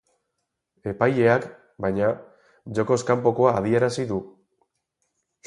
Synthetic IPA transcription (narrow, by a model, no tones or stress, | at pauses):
e̞paje̞ak | bajɲa | ʝo̞ko̞skampo̞ko̞aːðie̞ɾasiðu